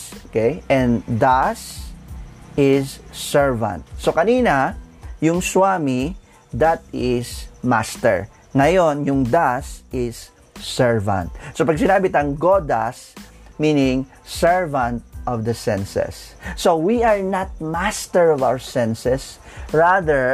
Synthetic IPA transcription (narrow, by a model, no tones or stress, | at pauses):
okejʔɛ̃nd̪as | ɪssɛɹvɐ̰̃nt̪̚sokɐniːnɐjʊŋswaːmi | d̪at̪̚ɪsma̰st̪ɛ̰ɹ | ŋɐjo̞njʊŋd̪asɪsː | ɛɹvɐ̰̃nt̪̚sopɐɡ̚sɪnaːbɪt̪ɐŋɡod̪asmiːnɪ̃ŋ | sɛɹvɐ̃nt̪̚ʔɔvd̪ɐsɛ̃nsɛ̰sːowiaɹnat̪̚mast̪ɛɹɔvawəɹsɛ̃nsɛs | ɹaðɛɹ